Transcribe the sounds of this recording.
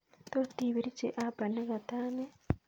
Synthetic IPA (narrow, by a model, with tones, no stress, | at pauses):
to˦ti˨βi˨ɾi˦t͡ʃe˨ʔa˦ba˨ne˦ka˨taː˦ne˦